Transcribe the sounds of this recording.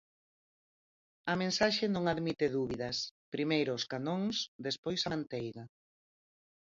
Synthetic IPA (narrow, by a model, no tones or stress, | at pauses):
ɐmẽnsaʃenõŋaðmit̪eðuβiðɐspɾimejɾʊːskanõŋsðespojsant̪ejɣa